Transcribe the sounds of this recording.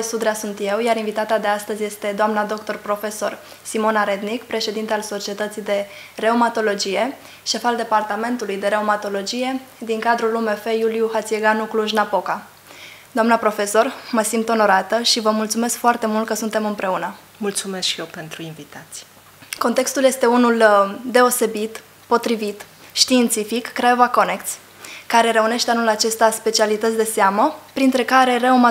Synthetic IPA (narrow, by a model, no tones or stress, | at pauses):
sud̪ɾeasunt̪jewjaɾinvit̪at̪ad̪e̞ast̪əzje̞st̪e̞d̪oamnad̪o̞kt̪o̞rpɾo̞fe̞so̞r | simo̞naɾed̪nikpɾe̞ʃe̞d̪int̪ealso̞t͡ʃie̞t̪ət̪sijd̪e̞re̞omat̪o̞lo̞d͡ʒije̞ | ʃe̞fald̪e̞part̪ame̞nt̪ulujd̪e̞ɾe̞omat̪o̞lo̞d͡ʒije̞d̪iŋkad̪ɾulumefe̞julijuhat̪sieɡanukluʒnapo̞ka | d̪oamnəpɾo̞fe̞so̞rməsimt̪o̞no̞ɾat̪əʃivəmult̪sume̞skfoart̪e̞mult̪̚kəsunt̪e̞mɨmpɾe̞unə | mult̪sumeskʃijewpe̞nt̪ɾuinvit̪at̪si | ko̞nt̪e̞kst̪ulje̞st̪e̞unuld̪e̞o̞se̞bit̪ | po̞t̪ɾivit̪ | ʃt̪iːnt̪sifikːɾevako̞nekt̪sʲ | kːaɾe̞ɾe̞une̞ʃt̪eanulat͡ʃe̞st̪aspe̞t͡ʃialit̪ət̪sʲd̪e̞seaməpɾint̪ɾe̞kaɾe̞rəoma